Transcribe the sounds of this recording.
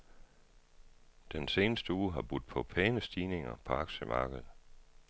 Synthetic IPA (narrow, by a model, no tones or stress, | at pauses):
d̥ense̝ːnəsd̥əuːɦɑ̈b̥ud̥̚ˠpʰɒ̽pʰɛːnəsd̥iːne̝ŋɐ̰pʰɒ̽ɑ̈ɡ̥ɕəmʔɑ̰̈ːɡ̥ð̩ˠ